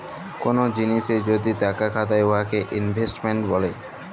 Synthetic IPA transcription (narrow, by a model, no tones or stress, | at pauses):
konod͡ʑiniʃed͡ʑod̪it̪akakʰat̪aeoɦakeʔinbʱesʈmeɳʈbɔle